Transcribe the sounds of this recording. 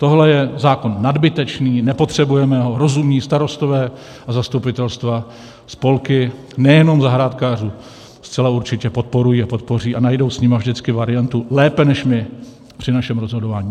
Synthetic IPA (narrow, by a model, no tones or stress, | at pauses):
t̪o̞ɦlɛjɛzaːko̞nːadbɪt̪ɛt͡ʃniːnɛpo̞t̪r̝̥ɛbujɛmɛɦo̞ɾo̞zumɲiːst̪aɾo̞st̪o̞vɛː | ʔazast̪upɪt̪ɛlst̪va | spo̞lkɪ | nɛjɛno̞mzaɦɾaːt̪kaːr̝uː | st͡sɛlauɾt͡ʃɪcɛpo̞t̪̚po̞ɾujiːapo̞t̪̚po̞riːʔanajdo̞wsɲɪmavʒdɪt͡skɪvaɾɪjant̪ulɛːpɛnɛʃmɪ | pr̝̥ɪnaʃɛmɾozɦo̞dovaːɲiː